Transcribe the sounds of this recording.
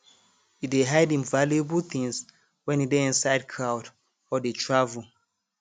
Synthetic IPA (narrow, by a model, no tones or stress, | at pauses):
itdeɦajdĩnvaliəbəlθĩŋs | wɛ̃nideĩnsaɪd̚kʰɹawt | ɔdetʰɹavul